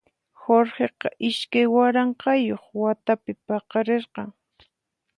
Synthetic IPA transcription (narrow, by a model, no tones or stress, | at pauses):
xoɾheqɑʔɪʃkajwaɾɑɴqɑjoχwat̪apɪpɑqɑɾeɾqɑŋ